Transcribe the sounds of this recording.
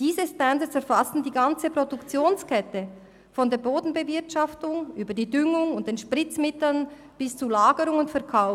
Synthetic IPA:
d̥iːzəstandəsɛɐɾfastn̩diːɡant͡səpʁodʊkt͡sjoːnskʰɛtə | fɔndeːɐboːdn̩bəvɪɐtʃaftʊŋʔyːbɐdiːdʏŋʊŋʊnt̚d̥eːnʃpʁɪt͡smɪtl̩n | b̥ɪst͡sulaːɡəɾʊŋʊntfɛɐkʰaʊ

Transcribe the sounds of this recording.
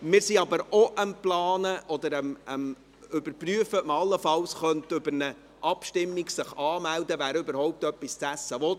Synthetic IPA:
mɪːɾsiɑbəɾɔʔəmplɑːnəʔɔd̪əɾəməm | ʏbəɾpryəfəməɑlːəfɑlsχœntʏbəɾnə | ʔɑpʃtɪmːiɡsɪχɑːmældəvæːɾʏbəɾhɔʊp̚tœpːist͡sæsəʋɔt

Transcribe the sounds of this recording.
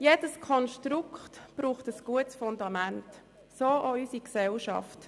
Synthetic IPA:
jed̥əskʰɔnʃtɾukχtb̥ɾuːχtəsɡ̥uətsfʊndɑmænt | soːʔɔysiksɛlʃɑ̰ft

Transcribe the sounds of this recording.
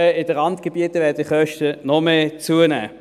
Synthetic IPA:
əɪd̥əʁɑntɡ̥eb̥iətəvɛːɐdɪχœʃtənɔmeːt͡suənæ̰ː

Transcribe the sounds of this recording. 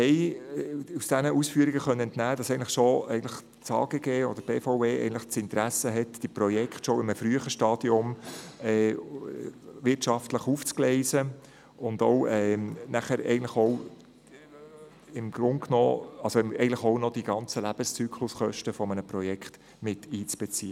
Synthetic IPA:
hɛɪ | usd̥ænəʔusfyəɾiɡəχœnːənɛntnæːd̥ɑsɛɪən̩tləχʃoɛɪɡn̩ləχ | t͡sɑ̰ːɡ̥eɡ̥eːɔd̥̪əɾb̥eːfoʊeːɛ̰ɪɡən̩tləχt͡sɪnt̪ɾæsəɦɛtd̥iprɔjɛkχtʃɔɪməfɾyəχəʃtɑːd̥iʊmɛ | ʋɪɾtʃɑftləχuft͡sklɛɪzə | ʊndɔwɛːnæχəɾɛ̰ɪɡən̩tləχɔw | ɪmɡɾʊnknɔ̰ːɑlsoɪɛɪɡn̩tləχɔʊnɔd̥iɡɑnt͡səlæb̥əst͡syːkʰlʊsχœʃtəfɔmənəpɾɔjɛkχt | mɪtiːt͡sb̥ɛt͡siːə

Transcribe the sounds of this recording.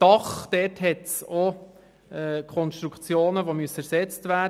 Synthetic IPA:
d̥ɑχd̥ɛːtɦɛtso | ɛːkʰɔnʃtɾukt͡sjoːnəʋomyəsəæɾsɛt͡stvæː

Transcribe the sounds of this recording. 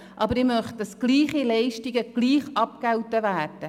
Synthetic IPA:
ʔɑbəɾɪmœχt̚d̥ɑsɡ̥liːχilɛɪʃtiɡəɡ̥liːχɑp̚kɛwtəvæːrd̥ə

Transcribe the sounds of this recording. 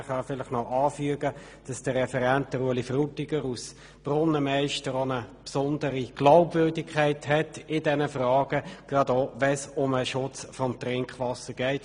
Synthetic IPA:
χɑfɪlɪχnɔʔɑːfyəɡə | d̥ɑsd̥əːɛfɛɾɛnt̚d̥əɾuəlifrutiɡəɾus | b̥rʊnːəmɛɪʃtəɾonəpsʊndəɾiɡ̥laʊbvøɐdɪkχæɪthɛtɪdɛnəfrɑːɡ̥əɡ̥rɑdoːʋɛsʊməʃʊt͡sfɔmtrɪŋkχʋɑsəɡ̥ɛɪt

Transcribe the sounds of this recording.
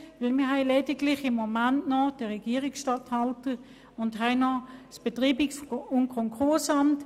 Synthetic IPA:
vɪlmɪɦɛɪledɪɡlɪχɪmːomantnɔd̥əʁɛɡiːʁiksʃtɑthɑltə | ʊnthaɪnɔsb̥etʁiːbiksʊnkʰɔŋkʰʊɐsɑmt

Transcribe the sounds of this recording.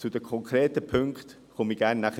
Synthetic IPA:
t͡sud̥̪əkʰɔŋkʰɾeːtəpʰɵŋkt̪ | χʊmiɡ̥æɾnːaχə

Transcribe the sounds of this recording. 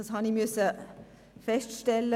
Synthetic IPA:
ɑshɑnimʏsə | fɛstʃtɛlə

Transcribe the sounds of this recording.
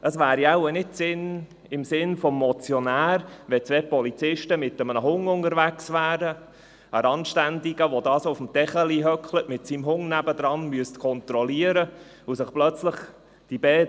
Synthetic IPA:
ʔəsʋæːɾjaʊənɪt̚sɪn | ɪmsɪnfɔmːɔt͡sjɔnæːɾʋɛt͡sʋeːpɔlit͡sɪʃtəmɪt̪əmənəɦʊŋʊŋəɾʋæksvæːɾə | əɾɑnʃtænd̪iɡəʋod̪ɑːsʊfəm̩tɛχəliɦœkχlətmɪtsimɦʊŋnæbəd̪ɾɑnmyəstkʰɔnt̪ɾɔliəɾə | usɪχplœt͡sləχ | d̥ibɛː

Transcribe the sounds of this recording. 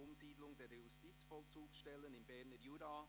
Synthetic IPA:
ʊmziːdlʊŋdeːjustiːt͡sfɔlt͡suːksʃtɛlənɪnbɛɾnəjuda

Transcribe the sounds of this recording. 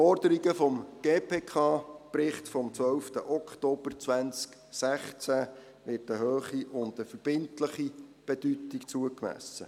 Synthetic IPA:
fɔɾd̥əɾiɡəfɔmɡ̥eːpʰeːkʰɑːprɪχtfɔmt͡sʋœlftəʔɔkʰtoːb̥ərt͡sʋænt͡sk | sæχt͡sæ | ʋɪrtəhøːχiʔʊndəfəɾb̥ɪntləχib̥ɛd̥ytikt͡suəkmæ̰sə̰

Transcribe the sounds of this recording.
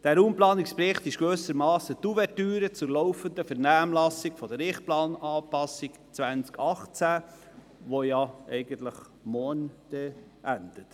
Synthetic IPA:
d̥æːɾuːmplɑːnikspɾɪχt̪ɪʃɡ̥ɾøːsəɾmɑːsət̪uvɛtyːɾət͡sʊɾlɔʊfənd̪əfɛɾnæːmlɑsiɡfɔd̥əɾɪχt̚plɑːnɑːpɑsik | t͡sʋænt͡skʰɑχt͡sæ | ʋojɑɛɪɡ̥ənt̪ləχ | mɔːnd̥ɛ | ʔænd̥̪ət

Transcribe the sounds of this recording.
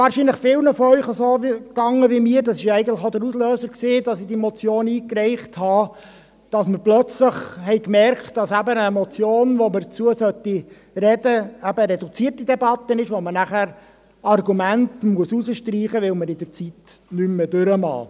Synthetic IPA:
ʋɑːɾʃinləχfɪlˠnəfɔœʏχəsoːkɑŋːəʋimiːəɾdɑsɪʃæɪɡəntləχod̪əɾuslœːsəksiːdɑsidimɔt͡sjoːniːkɾɛɪχthɑ | d̥ɑsməɾplœt͡sləχhɛɪkmɛɾkt̚d̥ɑsæbəəmɔt͡sjoːnʋoməɾt͡suəsœtːi | ɾɛdəæbəɾɛdut͡siərtid̥̪ɛbɑt̪ːənɪʃʋomənæχæːɾ | ɑrɡumæntmuəsusəʃtriːχəʋɪlməɾɪd̥̪əɾt͡sit̪ | nymːədʉɾəmɑ̰ː

